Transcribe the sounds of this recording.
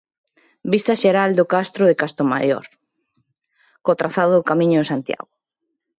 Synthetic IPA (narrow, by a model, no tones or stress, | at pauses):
bist̪ɐʃeɾald̪okast̪ɾʊðekast̪oma̰jɔ̰ɾ | kot̪ɾaθaðʊðokamĩɲʊẽsant̪ja̰ɣo